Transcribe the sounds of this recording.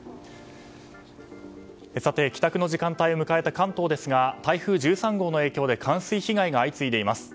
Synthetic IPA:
esat̪e̞kʲi̥t̪akɯ̟no̞ʑikãnt̪aio̞mɯ̟kae̞t̪akãnt̪o̞ːd̪e̞sɨɡat̪aiɸɯ̟ːʑɨːsãŋɡo̞ːno̞e̞ːkʲo̞ːd̪e̞kʰãɰ̃sɨiçiɡaiɡaːit͡sɨid̪e̞imasɨ̥

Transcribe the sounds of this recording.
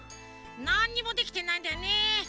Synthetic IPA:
naɲ̟ːimo̞d̪e̞kʲi̥t̪e̞naĩnd̪ajone

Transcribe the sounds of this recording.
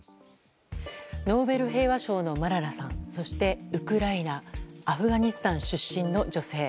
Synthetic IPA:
no̞ːbe̞ɾɯ̟ɦe̞ːβaɕo̞ːno̞maɾaɾasãñso̞ɕi̥t̪e̞ɯ̟kɯ̟ɾainaːɸɯ̟ɡaɲ̟isɨ̥t̪ãɰ̃ɕɨɕːĩnːo̞d͡ʑo̞se̞ː

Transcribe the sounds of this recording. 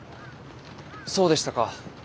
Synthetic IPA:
so̞ːd̪eɕi̥t̪aka

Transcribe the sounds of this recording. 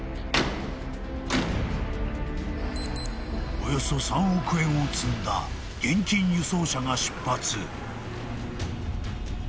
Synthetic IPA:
ojo̞so̞sãɰ̃okɯ̟ẽ̞ot͡sɨ̃nd̪a̰ | ɡ̥ẽ̞ɲt͡ɕĩɲjɯso̞ːɕaŋaɕi̥pːat͡sɨ

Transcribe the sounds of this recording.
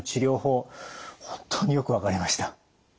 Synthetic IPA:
t͡ɕiɾʲo̞ːho̞ːhõnt̪ʰːo̞ːɲ̟ijo̞kɯ̟βakaɾʲimaɕi̥t̪ḁ

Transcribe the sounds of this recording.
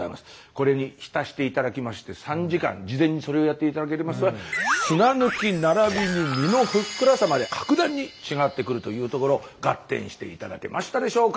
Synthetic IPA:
a̰imasɨ̥ko̞ɾe̞ɲ̟içi̥t̪aɕi̥t̪e̞it̪ad̪akʲimaɕi̥t̪e̞sãɲ̟d͡ʑikã̰ɲd͡ʑizẽ̞ɲ̟ːiso̞ɾe̞o̞jat̪ːeit̪ad̪ake̞ɾemasɨβasɨnanɯ̟kʲinaɾabʲiɲimʲino̞ɸɯ̟kːɯɾasamad̪e̞kʰḁkɯ̟d̪ãɲ̟ːit͡ɕiŋat̪ːe̞kɯ̟ɾɯ̟t̪o̞jɯ̟ːt̪o̞ko̞ɾo̞ɡ̥at̪ːḛ̃ɰ̃ɕi̥t̪e̞̰it̪ad̪a̰ke̞̰maɕi̥t̪ad̪e̞ɕo̞ːka

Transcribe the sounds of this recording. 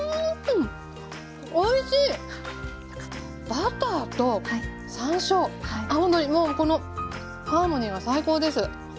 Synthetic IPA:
oiɕiː | b̥at̪aːt̪o̞ | sãĩɕo̞aahõnd̪oɲ̟imoːko̞no̞ | haːmo̞ɲ̟iɡasaiko̞ːd̪e̞sɨ

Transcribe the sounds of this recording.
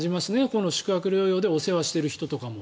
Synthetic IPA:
ʑimasɨne̞ko̞no̞ɕi̥kɯ̟akɯ̟ɾʲo̞ːjo̞ːd̪e̞o̞se̞βaɕi̥t̪e̞ɾɯ̟çi̥t̪o̞t̪o̞kamo̞

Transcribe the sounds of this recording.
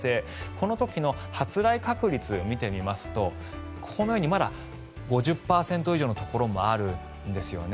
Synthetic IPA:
e̞kʰo̞no̞t̪o̞kʲino̞hat͡sɨɾaikakɯ̟ɾʲit͡sɨmʲit̪e̞mʲimasɨ̥t̪o̞ | kʰo̞no̞jo̞ːɲ̟imad̪a̰ | ɡo̞ʑɨpːaːsẽ̞nt̪o̞iʑo̞ːnot̪o̞ko̞ɾo̞mo̞aɾɯ̟ | nd̪e̞sɨjo̞ne

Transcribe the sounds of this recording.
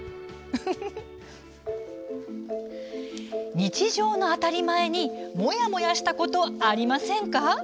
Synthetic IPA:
ɲ̟it͡ɕiʑo̞ːno̞at̪aɾʲimae̞ɲ̟imo̞jamo̞jaɕi̥t̪ako̞t̪o̞aɾʲimasẽ̞ŋka

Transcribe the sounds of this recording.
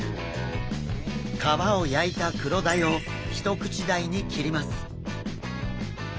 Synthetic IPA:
kʰaβao̞jait̪akɯ̟ɾo̞d̪ajo | çʲi̥t̪o̞kɯ̟̥t͡ɕid̪aiɲ̟ikʲiɾʲimasɨ̥

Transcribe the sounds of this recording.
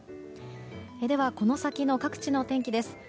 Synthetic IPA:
ed̪e̞βako̞no̞sakʲino̞kakɯ̟̥t͡ɕino̞t̪ẽ̞ŋkʲid̪e̞sɨ̥

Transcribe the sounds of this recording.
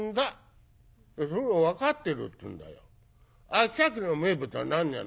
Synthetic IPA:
nd̪a | esoɾowakat̪ːeɾɯ̰t̪ːɨ̰̃nd̪a̰jo̰ | asakɯnomebɯt̪a̰nãɲja̰n

